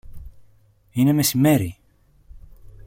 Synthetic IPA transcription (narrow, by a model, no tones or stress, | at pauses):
inæmæsmːæɾi